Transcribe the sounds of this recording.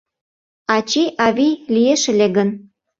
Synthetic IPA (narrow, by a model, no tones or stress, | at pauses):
ɑt͡ɕiʔɑβilijeʃĕlʲeɡən